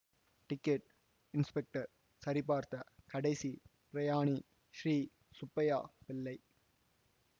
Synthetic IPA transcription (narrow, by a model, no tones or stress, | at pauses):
ʈɪkːeʈ̚ | ɪnspɛk̚ʈɐɾ | sɐɾɪp̬ːaːɾt̪ɐkɐɽɐɪsipɪɾɐjaːɳi | ʃɾiː | sʊpːɐjaːpɪlːɐɪ